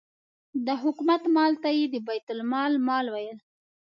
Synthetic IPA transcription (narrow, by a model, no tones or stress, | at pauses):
d̪əɦʊkumat̪mɑlt̪ajed̪əbajt̪ʊlmɑlmɑlwajəl